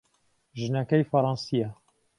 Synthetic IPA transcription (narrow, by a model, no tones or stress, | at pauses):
ʒɨnɐkɐjfɐɾˤɑːnsija